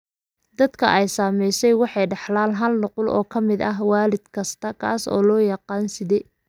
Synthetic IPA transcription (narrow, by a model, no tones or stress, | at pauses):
d̪ɐd̪kʰɐ̰ʔɛjsaːmɛjsɛjwɑħɑjɖɑħlaːnɦɐlnɔqʊlʔɔ̰ːkʰɐmɪd̪ɐɦwaːlɪd̪kʰɐst̪ʰɐkʰa̰ːsɔ̰ːlɔːjɑqɑːnsɪðɛː